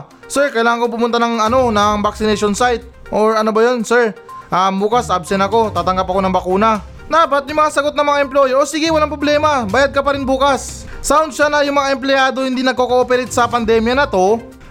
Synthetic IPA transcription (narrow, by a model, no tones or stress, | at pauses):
sɛɹkɐjlaːŋɐŋkop̬ʊmʊnt̪anɐŋɐno̞nɐŋbak̚sɪnɛjʃonsajt̪̚ | ʔoɹɐno̞bɐjo̞nsɛɹʔɐmbuːkasabsɛnɐko̞t̪aːt̪ɐŋɡɐpɐko̞nɐŋbɐkuːnɐ | d̪aːpɐt̪̚jʊŋmɐŋasɐɡot̪nɐŋmɐŋaʔɛmploːjoʔosiːɡɪwɐlaŋpɾo̞blɛːmɐbaːjad̪̚kɐpɐɾɪnbuːkas | saʊnd̪̚ʃanɐjʊŋmɐŋaʔɛmplɪjaːd̪o̞hɪnd̪inɐɡ̚kokoʔopɛɾɪt̪̚sɐpɐnd̪ɛːmjɐnɐt̪o̞